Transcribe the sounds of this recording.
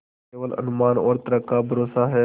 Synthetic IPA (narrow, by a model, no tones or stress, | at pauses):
eːʋəlɐ̰nʊmaːnɔːɾt̪ɾəkabʱəɾoːsaɦɛː